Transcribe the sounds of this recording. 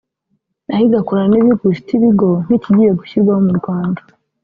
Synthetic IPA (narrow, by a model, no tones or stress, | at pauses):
nahiɡakoɾaniβiɡuʃitiβiɡo̞n̥iciɟijeɡuçiɾɡwahomuɾɡwaːndḁ